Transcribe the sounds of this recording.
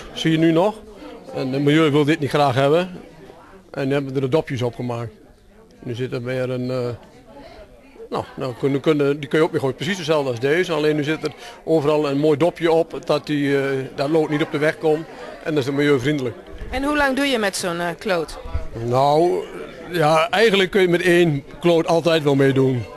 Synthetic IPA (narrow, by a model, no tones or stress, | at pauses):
siənynɔxɛnmajøːʋɪlˠdɪtnitxraːxhɛbə | ʔɛnːyhɛbəʋədərdədɔpjəs̬ɔpxəmaːk̚t | nysɪtəmɪːərən | nononykønədikønjəoːk̚mɪxoːprəs̬isdəsɛlˠdəasdeːzəaleːnːyzɪtərʔoːvərɑlˠənmoːjdɔpjəɔpdɔt̚didɔtloːtnitɔp̚dəʋɛxkɔmʔɛ̰ndɔɪsɪtmajøːfrindələk | ɛnhulaŋduəjəmɛtsoːnkʰloːtnow | jaɛjɣəndləkːønjəmɛteːnkloːtɑlˠtɛjtʋɛlˠmeːdun